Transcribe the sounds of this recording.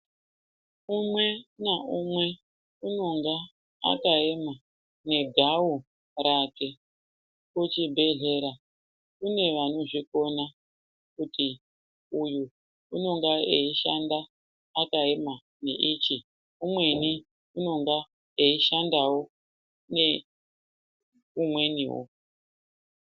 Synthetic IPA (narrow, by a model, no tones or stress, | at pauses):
umwe̞naʔumwe̞ | uno̞ŋɡa̰ː | kaema | ne̞ɡʱawu | rake̞ | kut͡ʃibʱe̞ɮe̞ɾa | kune̞ʋano̞ʐiko̞na | kuti | uju | uno̞ŋɡaeiʃandaː | kae̞ma | nḛʔit͡ʃi | umwe̞ni | uno̞ŋɡa | eiʃandawo̞ | ne | umwe̞nḭwo̰